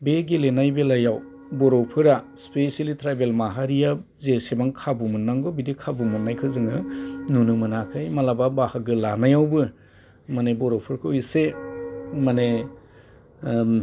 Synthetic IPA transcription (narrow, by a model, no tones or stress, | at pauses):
beɡilenajbelajaw | bɔɾɔpʰɯɾa | spesalitʰɾabelmaɦaɾijazesebaŋkʰabumɯnːaŋɡɔbidikʰabumɯnːajkʰɯzɯŋɯnunɯmɯnakʰɯjmalababahaɡɯlanajawbɯ | manebɔɾɔpʰɯɾkʰɯjse | mane